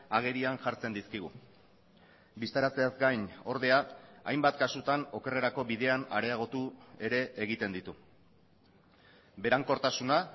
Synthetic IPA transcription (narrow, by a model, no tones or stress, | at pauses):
aɣ̞e̞ɾianʝaɾt͡se̞nd̪iskiɣ̞ṵ | bist̪aɾat͡seazɡajɲo̞ɾð̞e̞aajmbat̪kasut̪ano̞kere̞ɾako̞βiðe̞ana̰ɾeaɣ̞o̞t̪ue̞ɾe̞ʔːɣ̞it̪e̞nd̪it̪u | be̞ɾaŋko̞ɾt̪asuna